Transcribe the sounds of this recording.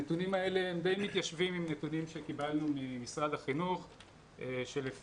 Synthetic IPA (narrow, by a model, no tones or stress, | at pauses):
et̪unimae̞leemd̪e̞jmit̪jaʃvimimnet̪unimʃekibalnumimisʁadaχinuχ | eʃele